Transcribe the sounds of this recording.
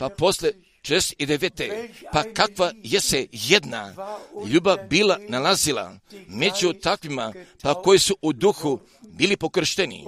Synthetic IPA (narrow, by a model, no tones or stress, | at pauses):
papo̞slʲe | t͡ʃeest̪id̪eʋet̪epakakʋajesejed̪naʎuːbabiːlanalazilˠa̰me̞d͡ʑut̪akʋimapako̞jisuʔud̪uxu | biːlipo̞kr̩ʃt̪enḭ